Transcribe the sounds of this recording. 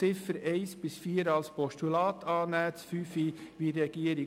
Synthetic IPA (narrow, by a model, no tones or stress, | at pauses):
ɪfəɾeɪsb̥ɪsfiːɾɑlspɔʃtylɑːt̪ʰɑːnæːt͡ssfyːfiʋiːɾɛɡ̥iːəɾɪ